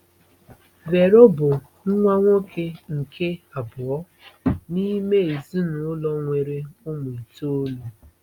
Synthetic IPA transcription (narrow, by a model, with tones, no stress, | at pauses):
ve˨ɾo˦bʊ˨ | ŋ̩˦ŋʷa˦ŋʷo˦kʰe˦ŋ̩˨kʰe˦a˨bʊ˨ɔ˦ | ni˦me˦˨i˨zi˦nʊ˨ʊ˦lɔ˦ŋʷe˨ɾe˦ʊ˦mu˨i˨to˦lo˨